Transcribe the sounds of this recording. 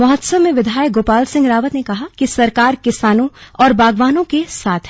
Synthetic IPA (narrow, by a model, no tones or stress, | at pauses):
mɐɦət̪səʋmẽʋɪd̪ʱaːjək̚ɡoːpaːlsɪ̃ŋɡɾaːʋət̪nekɐɦakisɐɾkaːɾkɪsaːnõɔːɾbaːɡʋaːnõkesaːt̪ʰɦɛ